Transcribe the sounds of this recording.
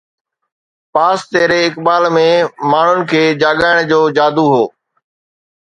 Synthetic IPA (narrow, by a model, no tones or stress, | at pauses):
paːst̪eːɾeɪkɓaːlmẽmaːɳ̤ʊnɪ̆kʰeːd͡ʑaːɠaːɪɽ̃d͡ʑoːd͡ʑaːd̪uɦoː